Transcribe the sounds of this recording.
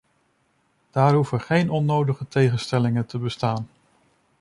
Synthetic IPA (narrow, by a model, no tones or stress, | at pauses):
d̥aːɹɦufəɹχejnɔnowdəχətejχənstɛlɪŋəntʰəbəstaːn